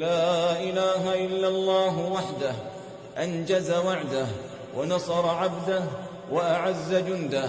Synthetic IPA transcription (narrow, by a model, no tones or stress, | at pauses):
laːʔɪlaːɦaʔɪlːalˤːɑːɦwaħd̪ah | ʔand͡ʒazawaʕd̪ah | wʔanɑsˤɑɾˤɑʕabd̪ah | waʔaʕazːad͡ʒʊnd̪a